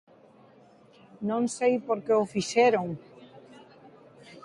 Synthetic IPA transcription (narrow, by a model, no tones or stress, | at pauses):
nõŋsejpoɾkeofiʃeɾoŋ